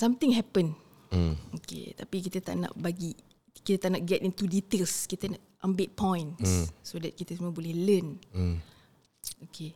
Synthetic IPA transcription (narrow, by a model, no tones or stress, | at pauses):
sãmt̪ɪ̃ŋɦɛpən | okḛt̪apik̬it̪ət̪a̰ʔnã̰ʔbaɡi | kit̪ət̪aʔnaʔ̚ɡɛtint̪udit̪elskit̪ənaʔʔə̃mbet̪̚pɔ̃j̃nssodɛt̪̚kit̪əs̬uməbolɛhlən | okʰe